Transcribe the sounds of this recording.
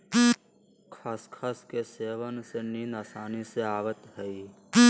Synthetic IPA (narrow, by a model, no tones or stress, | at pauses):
kʰaːskʰaːskeseːʋənseniːnaːsaːniseaːʋət̪ɦəi